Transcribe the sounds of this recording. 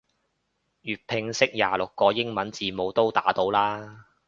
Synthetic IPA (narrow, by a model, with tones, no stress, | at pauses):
jyː˨t̚pʰɪ˧ŋsɪ˥k̚jaː˨lʊ˨kːɔː˧jɪ˥ŋmɐ˨˥nt͡siː˧mo˨˧wt̪o˥wt̪a̰ː˨˥t̪o˨˥wlaː˥